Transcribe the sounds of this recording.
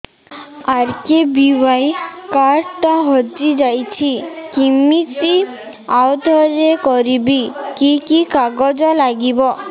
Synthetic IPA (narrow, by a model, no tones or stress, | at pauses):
aɾkebiwajkaɾʈaɦɔd͡ʒid͡ʒajt͡ʃʰikimit͡ʃi | awt̪ɔɾekɔɾibikikikaɡɔd͡ʒɔlaɡibɔ